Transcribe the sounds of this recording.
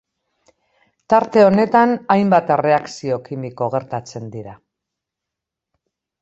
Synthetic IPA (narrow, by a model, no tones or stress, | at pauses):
t̪aɾt̪e̞o̞ne̞t̪anajmbat̪ere̞aksio̞kimiko̞ɣ̞e̞ɾt̪at͡se̞nd̪iɾa